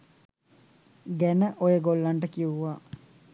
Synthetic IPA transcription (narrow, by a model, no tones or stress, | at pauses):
ɡænəʔojəɡolːaɳʈəkiuʋa